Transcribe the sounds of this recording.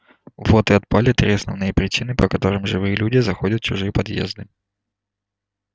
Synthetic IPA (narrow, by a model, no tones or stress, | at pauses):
vo̞t̪ɨɐt̪̚palʲɪt̪ɾʲesnəvnɨjəpɾʲɪt͡ɕinɨpəkɐt̪o̞ɾɨmʐɨvɨjəlʲudʲɪzɐxo̞dʲət̪̚t͡ɕʊʐɨjəpɐd̪jḛzd̪ɨ